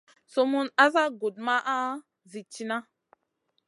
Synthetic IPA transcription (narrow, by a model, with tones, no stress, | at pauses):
so˦mu˦na˦za˦ɡo˨d̚ma˦ʔa˦ | zi˨t͡ʃi˦na˦